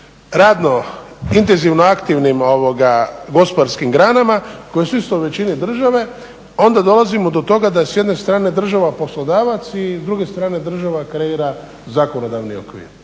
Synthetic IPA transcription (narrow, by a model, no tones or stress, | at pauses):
ɾaːd̪no̞int̪enziʋno̞akt̪iʋnimo̞ʋoɡaɡo̞spod̪aɾskimɡɾaːnamako̞jesuist̪ouʋe̞t͡ɕinid̪r̩ʒaʋe̞ | o̞nd̪ad̪o̞lazimod̪o̞t̪o̞ɡad̪asje̞d̪ne̞st̪ɾaːne̞d̪r̩ʒaʋapo̞slo̞d̪aːʋat̪sizd̪ɾuɡe̞st̪ɾaːne̞d̪r̩ʒaʋakɾe̞iɾa | zaːko̞no̞d̪aʋnio̞̰kʋḭːɾ